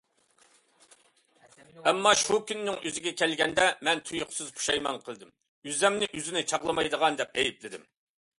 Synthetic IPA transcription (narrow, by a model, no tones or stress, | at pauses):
ɛmːɑʃukʲynːɪŋøzɪɡʲɛkʲʰɛlɡʲɛnd̪ɛmɛnt̪ʰujʊqʰsɨzpʰu̥ʃɑjmɑnqʰəlˠɨd̪ɪm | yzɛmnɪʔyzɪnɪt͡ʃʰɑʁlˠəmɑjd̪əʁɑnd̪ɛp̚ɛjiplɪd̪ɪm